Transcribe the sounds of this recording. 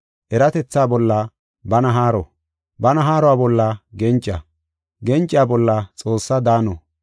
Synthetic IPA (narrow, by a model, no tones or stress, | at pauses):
ʔɛɾɐt̪ɛt͡sːaːbɔlːɐ | bɐnɐɦaːɾɔ̰ | bɐnɐɦaːɾɔwaːbɔlːɐɡɛnt͡ʃʼːɐ̰ | ɡɛnt͡ʃʼːɪjaːbɔlːɐt͡sʼo̞ːsːɐd̪aːnɔ